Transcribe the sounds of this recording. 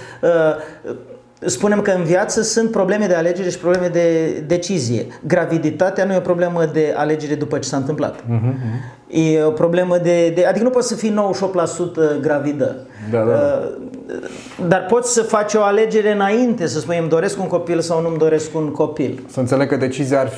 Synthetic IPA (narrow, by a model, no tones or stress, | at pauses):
ə | spune̞mkəɨnvjat̪səsɨnt̪̚pɾo̞ble̞me̞d̪e̞ale̞d͡ʒe̞ɾe̞ʃipɾobleme̞d̪e̞d̪e̞t͡ʃizije̞̰ɡɾavid̪it̪at̪eanujeo̞pɾo̞ble̞məd̪e̞a̰le̞d͡ʒe̞ɾe̞d̪upət͡ʃe̞saɨnt̪ɨmpla̰t̪̩ | jeopɾo̞ble̞məd̪e̞d̪ead̪ikənupot̪ʲsəfijnowəʃopt̪lasut̪əɡɾavid̪ə̰ | d̪a | d̪arpo̞t̪sʲsəfat͡ʃʲo̞ale̞d͡ʒe̞ɾe̞ɨnaint̪e̞səspunjmd̪o̞ɾe̞skuŋko̞pilsawnumd̪o̞ɾe̞skunko̞pilsəɨnt̪seleɡ̚kəd̪e̞t͡ʃizijar